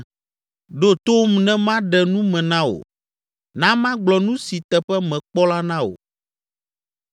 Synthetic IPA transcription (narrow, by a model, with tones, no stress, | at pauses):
ɖo˦t̪o˦mnɛ̃˦mã˦ɖɛ˨nũ˦mɛ̃˨nã˦o̰˨ | nã˦mã˦ɡ͡blɔ˨nũ˦si˨t̪ɛ˨ɸɛ˦mɛ̃˨k͡pɔ˦la˦nã˦wo̰˨